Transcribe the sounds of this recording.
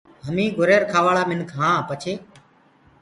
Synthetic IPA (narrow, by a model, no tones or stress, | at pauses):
ɦəmĩːɡʊɾeːɾkʰaːʋaːɭaːmɪnkʰɦãːpət͡ʃʰeː